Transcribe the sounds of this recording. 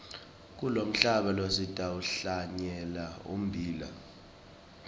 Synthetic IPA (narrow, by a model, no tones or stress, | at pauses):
k̬ulom̩ɬaɓalozitʼauɬaɲɛlaṵm̩bʱiːla̰